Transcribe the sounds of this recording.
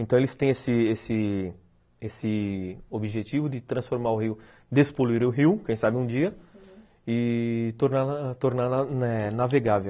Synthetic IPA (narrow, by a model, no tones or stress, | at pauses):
ẽnt̪ɐ̃elɪst̪ẽj̃esɪesɪ | esɪobiʒet͡ʃivʊd̪ɪt̪ɾɐ̃sfoɾmaɾʊɦiw | d̪espoluiɾẽʊɦiwkẽj̃sabɪũd͡ʒiɐ | ɪt̪oɾnat̪oɾnaanɛnaveɡavew